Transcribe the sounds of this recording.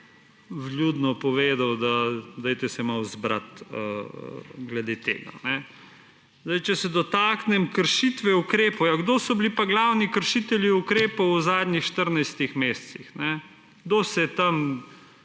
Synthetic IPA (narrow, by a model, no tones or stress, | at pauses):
ʋljuːd̪nɔpɔʋeːd̪awd̪ad̪ɛjt̪ɛsɛmawzbɾa̰t̪ə̰ | ɡlɛd̪et̪ḛːɡa̰nɛ | zd̪ɐjt͡ʃɛsɛd̪ɔt̪aːknɛmkəɾʃit̪ʋɛukɾeːpɔwjaɡd̪osɔblipaɡlawnikəɾʃit̪ɛljiukɾeːpɔwzaːd̪ɲixʃt̪əɾnajst̪ixmeːst̪sixnɛ | ɡd̪osɛt̪am